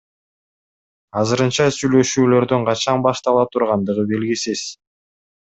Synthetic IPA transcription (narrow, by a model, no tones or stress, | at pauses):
ɑzɯɾɯnt͡ʃɑsyjlø̞ʃyːlø̞ɾd̪yɴqʰɑt͡ʃɑnbɑʃt̪ɑlˠɑt̪ʰuɾʁɑnd̪ɯʁɯbe̞lɡisiz